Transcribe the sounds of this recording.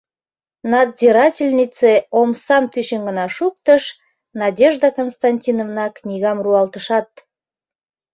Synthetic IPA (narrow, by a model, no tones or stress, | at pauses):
nɑd̪zʲiɾɑtʲilʲnʲit͡seomsɑmt̪yɕənɡə̆nɑʃukt̪əʃ | nɑdʲeʒd̪əkonst̪ɑnʲtʲinovnɑknʲiɣɑmruɑlt̪əʃɑt̪̚